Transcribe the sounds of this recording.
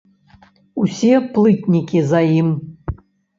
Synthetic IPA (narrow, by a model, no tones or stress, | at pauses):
usʲeplˠɨtʲnʲikʲizajim